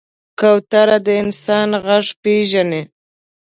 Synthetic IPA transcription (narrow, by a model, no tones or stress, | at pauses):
kawt̪aɾad̪əɪnsɑnɣaʐpeʒane